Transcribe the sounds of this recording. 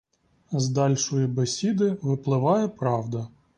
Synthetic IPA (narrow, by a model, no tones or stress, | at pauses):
zd̪ɑlʲʃɔjibesʲid̪ɪʋɪplˠɪʋɑjɛpɾɑwd̪ɐ